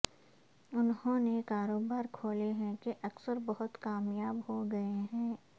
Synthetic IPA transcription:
ʊnhõːnekaːɾoːbaːɾkʰoːleɦɛ̃keʔɐksəɾbɐɦʊt̪kaːmjaːbɦoɡɐeɦɛ̃ː

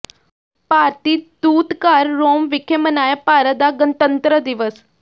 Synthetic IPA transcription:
paːɾʈ̪iːd̪uːt̪kaɾːoːmʋikʰemənajapaɾəd̪aɡənt̪ənt̪ɾəd̪iʋəs

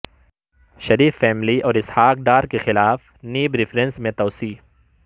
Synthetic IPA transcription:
ʃɐɾiːfːɛːmliʔɔːɾɪshaːk̚ɖaːɾkexɪlaːf | niːbɾɪfɾẽnsmẽt̪ɔːsiː

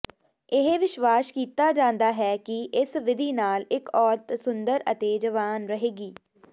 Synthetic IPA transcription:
ɪɦeʋɪʃʋaːskiːt̪aːd͡ʒãːnd̪aːɦɛːkɪʔɪsʋɪd̪ʱiːnaːlɪkɔːɾt̪sʊnd̪əɾət̪eːd͡ʒəʋaːnɾəɦeːɡiː

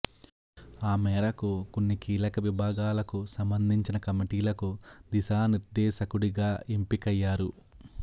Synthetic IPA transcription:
aːmɛːɾɐkukunːikiːlɐkɐʋibʱaːɡaːlɐkusɐmbɐnd̪ʱiɲt͡ʃinɐkɐmiʈiːlɐkud̪iʃaːniɾd̪ɛːʃɐkuɽiɡaːʔempikɐjːaːɾu

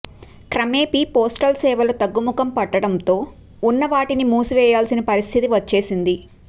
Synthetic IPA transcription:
kɾɐmeːpipoːsʈɐlsɛːʋɐlut̪ɐɡːumukɐmpɐʈːɐɽɐnt̪o̞ː | unːɐʋaːʈinimuːsuʋɛːjaːlsinɐpɐɾist̪ʰit̪iʋɐt͡ʃːe̞ːsind̪i

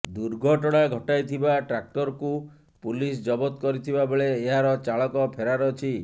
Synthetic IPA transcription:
d̪uɾɡʱɔʈɔɽ̃aɡʱɔʈajt̪ʰibaʈɾak̚ʈɔɾɔku | pulis̬d͡ʒɔbɔt̪kɔɾit̪ʰibabeɭeːɦaɾɔt͡ʃaɭɔkɔpʰeɾaɾɔt͡ʃʰi

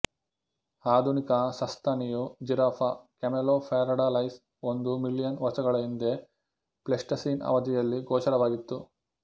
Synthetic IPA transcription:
aːd̪ʱunikɐsɐst̪ʰɐnijud͡ʒiɾapʰɐkɐmeloːpʰeːɾɐɖalɐjs | ond̪umilːijɐnʋɐsɐɡɐɭɐind̪e̞ | plesʈɐsiːnɐ̰ʋɐd̪ijɐlːiɡɔːʃɐɽɐʋaːɡit̪ːu

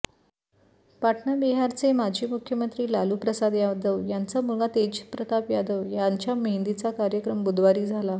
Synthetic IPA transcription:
paʈʰɳabiɦaɾt͡semad͡ʑʱiːmukʰjəmənt̪ɾiːlaluːpɾəsad̪jad̪əʋjant͡samulɡat̪ed͡ʑpɾət̪apjad̪əʋjaɲt͡ɕjamend̪it͡sakaɾjəkɾəmbud̪ʋaɾiːd͡zʱala

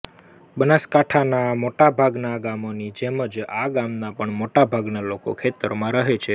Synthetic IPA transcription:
bənaskaʈʰanamoʈabʱaɡnaɡamonid͡ʒeməd͡ʒaɡamnapəɳmoʈabʱaɡnaloko̰kʰet̪əɾmãɾəɦet͡ʃʰe

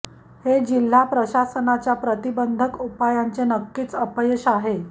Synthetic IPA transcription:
hed͡ʑil̤ːapɾəɕasənat͡ɕjapɾət̪ibənd̪ʱəkupajant͡senəkːiːt͡səpəjɕaɦe

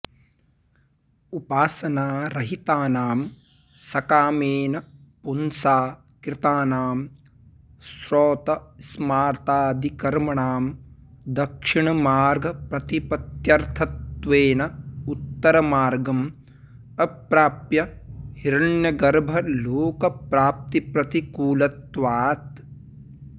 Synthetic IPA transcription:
upaːsɐnaːɾɐɦit̪aːnaːm | sɐkaːmeːnɐpunsaː | kɾɪt̪aːnaːm | sɾoːt̪ɐsmaːɾt̪aːd̪ikɐɾmɐɳaːmd̪ɐkʂiɳɐmaːɾɡɐpɾɐt̪ipɐt̪jɐɾt̪ʰɐt̪ʋeːnɐut̪ːɐɾɐmaːɾɡɐm | ɐpɾaːpjɐhiɾɐɳjɐɡɐɾbʱɐloːkɐpɾaːp̚t̪ipɾɐt̪ikuːlɐt̪ʋaːt̪

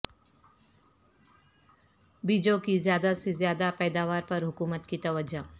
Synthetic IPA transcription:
biːd͡ʒõkizjaːd̪asezjaːd̪apɛːd̪aːʋaːɾpɐɾɦʊkuːmət̪kit̪ɐʋəd͡ʒo

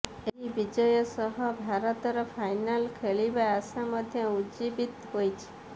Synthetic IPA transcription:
eɦiʋid͡ʒəjɔsɔɦɔbʱaɾət̪ɔɾɔfajnalkʰeɭiʋaasaməd̪ʱjəud͡ʒibit̪ɦojt͡ʃʰe̥

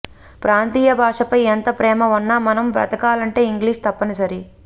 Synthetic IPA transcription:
pɾaːnt̪iːjɐbʱaːʂɐpɐjɛnt̪ɐpɾɛːmɐunːaːmɐnɐmbɾɐ̰t̪ɐkaːlɐɳʈe̞ːiŋɡliːʂt̪ɐpːɐnisɐɾi

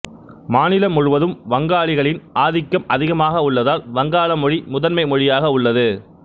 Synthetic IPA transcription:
maːnɪlɐmʊɻʊʋɐðɯmʋɐŋɡaːɭɪɣɐɭɪnʔaːðɪkːɐmɐðɪɣɐmaːɣɐʊɭːɐðaːlʋɐŋɡaːlɐmɔɻimʊðɐnmɐɪmɔɻɪjaːɣɐʊɭːɐðɯ

